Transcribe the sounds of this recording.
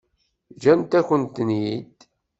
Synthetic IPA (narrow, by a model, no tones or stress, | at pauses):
d͡ʒænt̪æçənt̪ənjid̪